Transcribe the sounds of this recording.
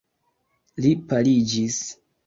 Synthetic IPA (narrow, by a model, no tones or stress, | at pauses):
lipalid͡ʒis